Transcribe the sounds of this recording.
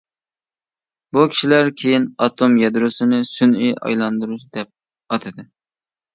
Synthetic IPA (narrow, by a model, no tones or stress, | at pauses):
bukʲʰi̥ʃilæɾkʲʰejinɑt̪ʰomjɛd̪ɾosɨnɪsynyjɑ̰jlˠɑnd̪ɨɾut͡ʃd̪ɛp̚ | ɑt̪ʰɨd̪ɨ